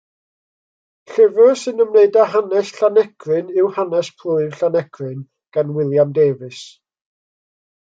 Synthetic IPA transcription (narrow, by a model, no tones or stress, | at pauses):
ɬɛvʊrsɨnəmneɨdaɦanɛsɬanɛkʰrɨnɪwhanɛspʰlʊɨv̥ɬanɛɡʰrɨn | ɡ̥anwɪlˠjamdeːvɨs